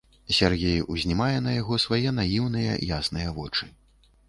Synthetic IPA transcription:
sʲarɣʲejuzʲnʲimajɛnɐjaɣɔsvajɛnajiwnɨjɐ̰jasn̪ɨjɐvɔt͡ʂɨ

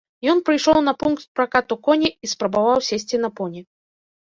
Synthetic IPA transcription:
jɔnpɾɨjʂɔwnɐpunkt̪̚pɾakat̪ukɔnʲiispɾɐbavawsʲesʲt͡sʲinɐpɔnʲi

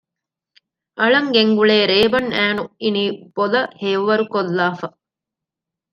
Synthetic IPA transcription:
ʔɐɭɐŋɡeŋɡuɭeːɾeːbɐnæːnuiniːb̥olɐheːʋʋɐɾukolːaːfɐ

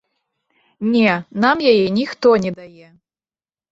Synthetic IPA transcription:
nʲɛnamjajɛnʲixt̪ɔnʲɛd̪ajɛ

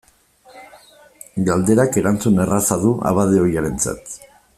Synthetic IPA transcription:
ɡald̪e̞ɾake̞ɾant͡sune̞rasaðuʔa̰βað̞e̞o̞jaɾe̞nt͡sa̰t̪

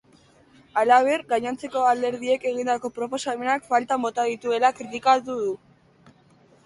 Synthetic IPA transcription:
alaβ̞e̞ɾɡaɲant͡se̞ko̞ald̪e̞ɾðie̞ke̞ɣ̞ind̪ako̞pɾo̞po̞same̞nakfalt̪ambo̞t̪aðit̪ue̞lakɾit̪ikat̪uðu

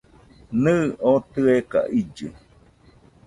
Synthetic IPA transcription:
nɨ̃ot̪ɨeka̰ʔid͡ʒɨ̰

